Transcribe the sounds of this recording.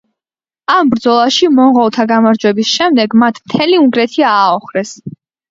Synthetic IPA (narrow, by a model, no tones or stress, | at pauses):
ambɾd̪zɔlˠaʃimɔɴʁɔlˠt̪ʰaɡamaɾd͡ʒwɛbisʃɛmd̪ɛɡmat̪ʰmt̪ʰɛliuŋɡɾɛt̪ʰiaːɔχɾɛs